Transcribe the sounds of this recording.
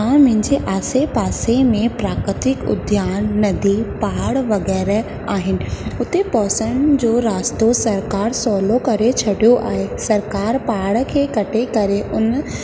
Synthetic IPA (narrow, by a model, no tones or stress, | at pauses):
ãmʊ̃ɦɪ̃ɲd͡ʑeʔaːsepaːsemẽpɾaːkɾɪt̪ɪkʊ̰d̪ʱjaːnːɐd̪ʱipaːɽʋɐɣɛːɾ | aːɦɪnɪ̆ʊt̪epɔːsəɽ̃d͡ʑoːɾaːst̪osɐɾkaːɾsɔːlokɐɾet͡ɕʰɐɽijoʔaːɦesɐɾkaːɾpaːɽkʰeːkɐʈʰekɐɾeʔʊn